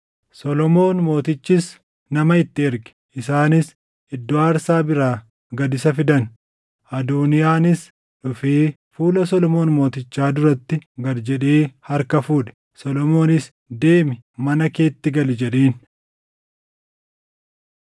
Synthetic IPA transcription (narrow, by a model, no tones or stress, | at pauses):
sɔlɔmo̞ːnmo̞ːt̪ɪt͡ʃːɪs | nɐmɐɪt̪ːɪɛɾɡɪ̥ | ɪsaːnɪs | ɪd̪ːɔaːɾsaːbɪɾaː | ɡɐd̪ɪsɐfɪd̪ɐn | ʔɐd̪uːnɪjaːnɪs | ᶑʊfiː | fuːlɐs̬ɔlɔmo̞ːnmo̞ːt̪ɪt͡ʃːaːd̪ʊɾɐt̪ːɪɡɐɾd͡ʒɛᶑeːhɐɾkɐfuːᶑɛ̥ | sɔlɔmo̞ːnɪs | d̪e̞ːmɪmɐnɐke̞ːt̪ːɪɡɐld͡ʒɛᶑeːn